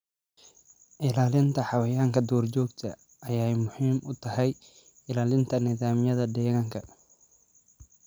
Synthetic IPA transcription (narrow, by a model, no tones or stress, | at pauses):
ʔɪlaːlɪnt̪ʰɐħɑwɐjaːŋkʰɐd̪ɔːrt͡ʃɔːɡt̪ʰɐ | ɐjajmʊħiːmʔʊt̪ʰɐhɛj | ɪlaːlɪnt̪ʰɐnɪðaːmjɐðɐd̪ɛːɣɐŋkʰɐ